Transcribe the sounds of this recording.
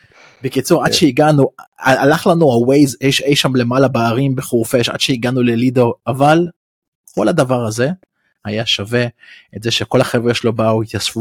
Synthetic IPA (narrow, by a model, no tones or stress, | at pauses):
bekit͡suʁad̪ʃeiɡanuaalaχlanuawejzejʃejʃamle̞malabaːʁimbeχuʁfeʃa̰d̥̪ʃeiɡanulelid̪o̞aval | ko̞lad̪avaʁaze̞ | hajaʃave̞etzeʃe̞ko̞laχe̞vʁeʃelo̞baujasfu